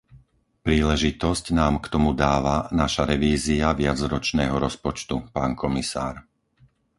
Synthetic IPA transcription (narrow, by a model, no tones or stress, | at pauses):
pɾiːlɛʒit̪ɔscnaːmkt̪ɔmud̪aːʋanaʃaɾɛʋiːziaʋɪad͡zɾɔt͡ʃnɛːɦɔɾɔspɔt͡ʃt̪upaːnkʰɔmisa̰ːɾ